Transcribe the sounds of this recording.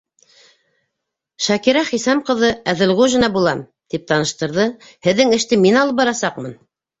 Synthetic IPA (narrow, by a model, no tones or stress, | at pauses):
ʃækiɾæχisɑmqɤ̆ðɤæðɘ̆lʁuʒɘ̆nɑbulˠɑm | t̪ip̚t̪ɑnɤ̆ʃt̪ɤ̆ɾðɤ | hɘ̆ðːɘŋɘ̆ʃt̪ɘminɑlˠɤp̚bɑɾɑsɑqmɤn